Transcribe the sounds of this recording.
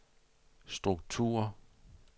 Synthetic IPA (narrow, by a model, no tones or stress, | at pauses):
sd̥ʁuɡ̥̚t͡sʰṵːɐ